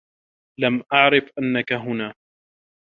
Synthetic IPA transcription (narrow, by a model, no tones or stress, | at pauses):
lamʔaʕɾɪfʔanːakaɦʊnaː